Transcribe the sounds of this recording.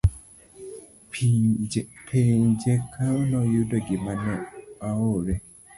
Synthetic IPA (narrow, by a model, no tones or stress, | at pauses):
pʰend͡ʒekʰaonɔjudɔɡɪmanɛaoɾɛ